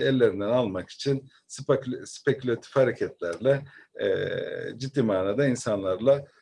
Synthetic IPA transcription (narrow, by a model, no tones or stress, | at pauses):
ɛlʲːe̞ɾind̪ænalˠmaki̥t͡ʃʰin | sspecʰylʲat̪ʰi̥fhaɾecʰɛt̪ʰlʲæɾlʲɛ̰ | d͡ʒid̪ːiːmaːnaːd̪ainsanlˠaɾlˠa